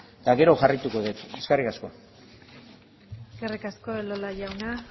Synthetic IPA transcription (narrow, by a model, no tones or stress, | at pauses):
t̪aɣe̞ɾo̞ʝarajt̪uko̞ðet̪e̞skarikasko̞̰ | ɡerikasko̞elolaʝawna